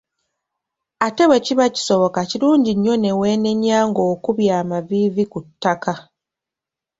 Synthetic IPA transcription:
ate̞βwe̞ciβaci̥so̞βo̞kaciɾuːɲɟiɲːo̞ne̞we̞ːne̞ɲːaːŋɡo̞ːkuβjaːmaviːvikutːaka

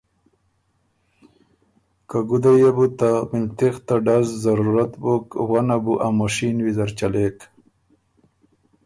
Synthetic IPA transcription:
kaɡud̪ajebut̪amilt̪ext̪aɖazzaɾuɾat̪bokwanabuʔamoʂinwizaɾt͡ɕalek

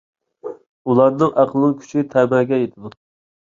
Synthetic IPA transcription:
ulˠɑɾnɨŋʔæqʰlˠɨkʲʰy̥t͡ʃʰit̪ʰæbæɾɡʲɛjet̪ʰɨd̪u

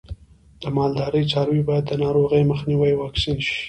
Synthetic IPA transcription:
d̪̥əmɑld̪ɑɾəjt͡sɑɾwibɑjad̪ːənɑɾoɣəjməxniwəjwɑksinʃi̥

